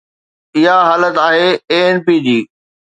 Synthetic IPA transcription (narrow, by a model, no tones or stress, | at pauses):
ɪɦaɦaːlət̪aːɦeːeːɛnpiːd͡ʑiː